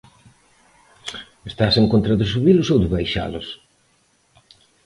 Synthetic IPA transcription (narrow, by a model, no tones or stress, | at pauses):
est̪aseŋkont̪ɾaðɪsuβilʊsowðɪβajʃa̰lʊs